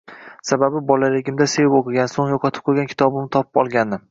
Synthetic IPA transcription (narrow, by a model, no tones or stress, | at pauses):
sababɪbɒlaɾeɡʲɪmd̪asevɪpokʰɨɡʲansoŋjɒqʰɒt̪ʰɪ̥p̚qʰojɡʲankʰʲɪ̥t̪ɒbɪmt̪ʰɒpʰɪpɒ̰lˠɡʲanːɪ